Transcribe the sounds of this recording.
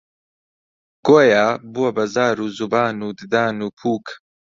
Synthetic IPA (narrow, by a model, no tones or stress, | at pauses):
ɡ̥oːjaːbuɐbɐzaːɾuːzubaːnuːd̪ɨd̪aːnuːpʰuːk